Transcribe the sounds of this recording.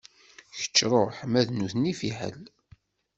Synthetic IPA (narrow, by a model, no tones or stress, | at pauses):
çə̥t͡ʃːɾˤoħəmæðnuθnifiħə̰l